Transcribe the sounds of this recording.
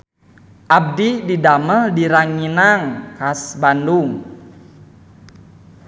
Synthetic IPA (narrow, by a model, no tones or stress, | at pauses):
ʔab̚dididamədiɾaŋinaŋkasbanduŋ